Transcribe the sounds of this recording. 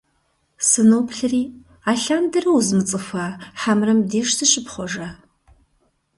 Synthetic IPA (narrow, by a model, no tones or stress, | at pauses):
sɨnowpʰɬɨriː | aːɬaːndɐrɐwuzmɨt͡sʼɨfɐħamrɐmdeːʂtʰɨɕʼɪpχʷɔʒɐ